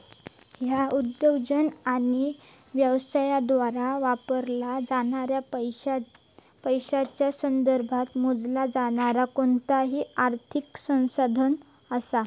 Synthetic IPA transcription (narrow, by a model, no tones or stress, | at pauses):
ɦjaud̪jəɡd͡ʑənaɽ̃i | ʋjəʋsajad̪ʋaɾaʋapəɾlad͡zaɽaɾja | pəjɕat͡ɕjasənd̪əɾbʱat̪mod͡zlad͡zaɽ̃aɾakont̪aɦiaɾt̪ʰiksə̃w̃sad̪ʱən | əsa